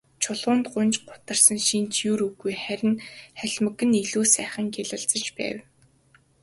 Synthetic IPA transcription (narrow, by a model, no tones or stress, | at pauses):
t͡ɕʰʊɮʁʊːnt̪ɢʊnt͡ɕɢʊt̪ə̆rsə̆nʃint͡ɕjuːɾuɣujχæɾʲɪ̆nχæɮʲmə̆ɣɘ̆niɮuːsæːχə̆ŋɡeɮə̆ɮt͡sə̆t͡ɕpæ̰ːw